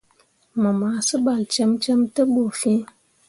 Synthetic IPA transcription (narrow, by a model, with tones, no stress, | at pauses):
mə˨ma˨sə˦ɓa˨lt͡ʃe˦mt͡ʃə˦mtə˦ɓo˨fi˦